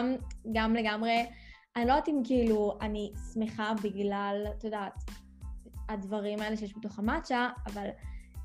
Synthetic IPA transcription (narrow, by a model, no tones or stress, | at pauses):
mɡamle̞ɡamʁe | aniloat̪imkiiluanismeχabiɡlalat̪ojdat̪ | advaʁimae̞leʃejeʃbet̪o̞χamat͡ʃaːval